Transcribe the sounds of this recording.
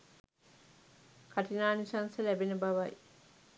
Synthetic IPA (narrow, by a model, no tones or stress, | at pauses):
kʰaʈinaːnisansəlæbenəbaʋɐj